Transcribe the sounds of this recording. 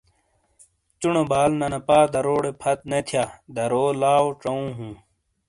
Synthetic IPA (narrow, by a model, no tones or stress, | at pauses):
t͡ɕunobaːlnɐnɐpaːd̪ɐɾoːɽepʰɐt̪̚net̪ʰjaːd̪ɐɾoːlaːoʈ͡ʂɐũːɦũː